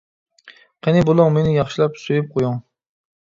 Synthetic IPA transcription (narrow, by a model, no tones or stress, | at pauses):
qʰenɪbolˠʊŋmenɪjɑχʃilˠɑpsøjyp̚qʰojuŋ